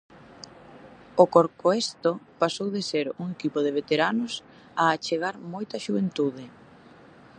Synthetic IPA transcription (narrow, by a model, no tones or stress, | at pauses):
okoɾkoest̪opasowðeseɾuŋekipoðeβ̞et̪eɾanʊs | aːt͡ʃeɣ̞aɾmojt̪ɐʃuβent̪uðɪ